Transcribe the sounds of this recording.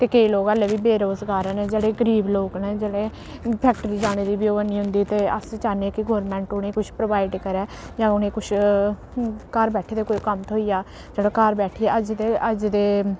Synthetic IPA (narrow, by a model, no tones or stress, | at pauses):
k̪eːkəiːloːkəleːbiːbeːɾoːzɡaːɾãːneːd͡ʒeːɽeːɡəɾiːbloːkneːd͡ʒeːɽeː | pʰɛːk̚ʈəɾiːd͡ʒaːɽ̃eːd̪iːbɪjoːəniːɦʊ̃nd̪iːt̪eːəst͡ʃaːneːkɪɡoːɾmɛ̃ːɳʈʊnẽːkʊt͡ʃʰpɾoʋaːɪɖkəɾɛːd͡ʒãːʊnẽːkʊt͡ʃʰ | kəɾbɛːʈʰeːd̪eːkoːikəmt̪ʰoːiːjaː | d͡ʒeːɽaːkəɾbɛːʈʰiːɛːʔəd͡ʒd̪eːʔəd͡ʒd̪eː